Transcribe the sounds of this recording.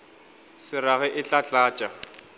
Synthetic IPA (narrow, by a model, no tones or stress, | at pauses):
sɪɾaɣɛʔɪt͡ɬʼat͡ɬʼaːt͡ʃʼa